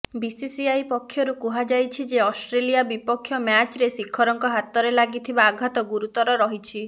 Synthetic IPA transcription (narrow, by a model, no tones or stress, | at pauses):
bisisiajpɔkʰːjɔɾukuɦad͡ʒajt͡ʃʰid͡ʒeɔsʈɾelijabipɔkʰːjɔmjat͡ʃɾesikʰːɔɾɔŋkɔɦat̪ːɔɾelaɡit̪ʰibaːɡʱat̪ɔɡuɾut̪ɔɾɔɾɔɦit͡ʃʰi